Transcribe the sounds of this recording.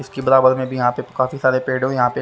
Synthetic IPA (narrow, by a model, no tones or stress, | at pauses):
ɪskebɐɾaːbəɾmẽbʱijɐɦãːpekaːfisaːɾepeːɽɦõjɐɦãːpe